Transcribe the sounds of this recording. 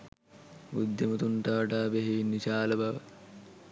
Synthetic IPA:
ud̪ːemut̪uɳʈaʋɐʈaːbeɦeʋinːit͡ʃaːlɐbɐʋɐ

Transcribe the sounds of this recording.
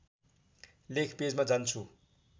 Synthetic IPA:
lekʰped͡zmad͡zant͡sʰu

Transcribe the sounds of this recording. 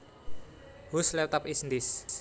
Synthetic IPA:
huslɛwt̪əpisnd̪ɪs

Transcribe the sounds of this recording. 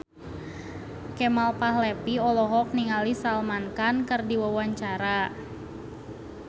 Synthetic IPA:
kɛmalpahlɛpiɔlɔɦɔk̚niŋalisalmankankərdiwawaɲt͡ʃaɾa

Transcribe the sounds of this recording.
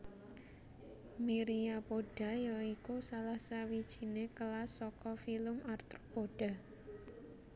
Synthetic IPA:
miɾiapoɖ̥a̤jɔikusalahsawid̥ʒ̥i̤nekəlasɔkɔfilʊmart̪ru̥poɖ̥a̤

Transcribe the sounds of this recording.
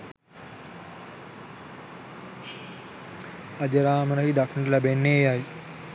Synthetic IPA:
ɐd͡ʒɐɾaːmənɐɦid̪akɐʈɐlæbenːeːjaj

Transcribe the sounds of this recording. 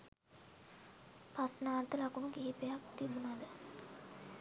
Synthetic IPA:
pasnaːnt̪əlakunuɡiɦipejak̚t̪ibunad̪ə

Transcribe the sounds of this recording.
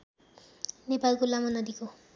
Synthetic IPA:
nepalkolamʌnʌd̪iko

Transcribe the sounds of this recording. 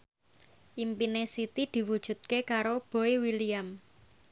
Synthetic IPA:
ʔimpinesit̪id̪̥i̤wud̥ʒ̥ṳt̪̚kekaɾob̥o̤ewiliam

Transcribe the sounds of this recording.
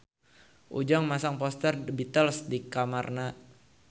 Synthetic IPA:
ʔṵd͡ʒaŋmasaŋpɔst̪ərbit̪əlsdikamarna

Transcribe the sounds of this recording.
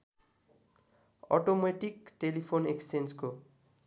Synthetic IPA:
ʌ̰ʈomeʈikʈelipʰoneksensko

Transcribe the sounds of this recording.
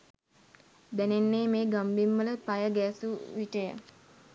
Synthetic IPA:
d̪ænenːeːmeːɡambimːələpajəɡɛːsuʋiʈəjə̰

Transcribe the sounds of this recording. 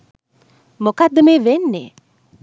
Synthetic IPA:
mokad̪ːəmeːʋenːḛ

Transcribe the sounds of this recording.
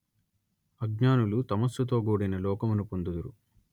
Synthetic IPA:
ɐɡɲaːnulut̪ɐmɐst̪ut̪o̞ːɡuːɽinɐlɔːkɐmunupond̪ud̪uɾu

